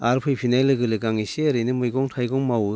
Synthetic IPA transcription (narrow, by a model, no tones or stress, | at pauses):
aɾpʰɯjpʰinajlɯɡɯlɯɡaŋiseɐɾɯnɯmɯjɡɔŋtʰajɡɔŋmawɯ